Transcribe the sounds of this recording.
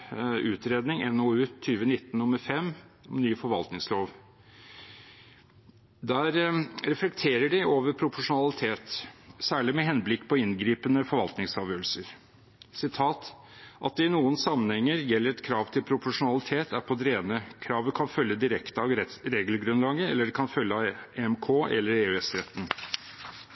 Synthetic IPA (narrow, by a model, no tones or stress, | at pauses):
ʉːt̪ɾeːd̪nɪŋɛnoʉːt̪ʰyːʋənɪt̪ːnnːʊməɾfɛmːɔmnyːfɔɾʋɑ̰lt̪nɪŋsloːʋ | d̪æːɾɾɛflɛkt̪ʰeːɾəɖɪʔoːʋəɾpʰɾʊpʊʂʊnɑlɪt̪ʰeːt̪sæːɭɪmɛɦɛnːblɪkːpʰɔɪnɡɾiːpənəfɔɾʋɑ̰lt̪nɪŋsɑːʋjøːəlsəɾ | sɪt̪ʰɑːt̪ | ʔɑ̰t̪̚d̪ɛɪnuːənsɑmːənhɛŋːəɾjɛlːəɾɛt̪kʰɾɑːʋt̪ʰɪlpʰɾʊpʊʂʊnɑlɪt̪ʰeːt̪æɾpʰɔd̪ɾeːnəkʰɾɑːʋəkʰɑnfœljəd̪ɪɾɛkt̪əɑʋɾeːɡlɡɾʉnlɑːɡəɛlːəɖɛkʰɑnfœljːəɑeɛmkʰoːʔɛ̰lːəɾeːʉɛsɾɛt̪ːn̩